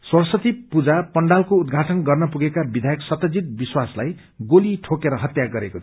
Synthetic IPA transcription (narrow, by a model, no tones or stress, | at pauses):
swʌrsʌt̪ipud͡zapʌɳɖalkoud̪̚ɡʱaʈʌnɡʌrnʌpuɡekabid̪ʱajʌksʌt̪ʌd͡zit̪̚biswaslaj | ɡoliʈʰokeɾʌɦʌt̪jaɡʌɾeko